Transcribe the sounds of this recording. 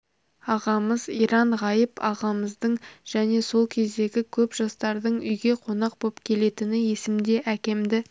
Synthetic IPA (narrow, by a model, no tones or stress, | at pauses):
ɑʁɑməzijɾɑɴʁɑjəpɑʁɑməzd̪əɴʒ̥æne̞so̞lˠkʲʰe̞zd̪e̞ɡʲɪkʲʰɵpʒ̥ɑst̪ɑɾd̪əɴʏjɡʲe̞qʰo̞nɑq̚bo̞pkʲʰe̞le̞t̪ɪnɪje̞sɪmd̪e̞ʔækʲe̞md̪ɪ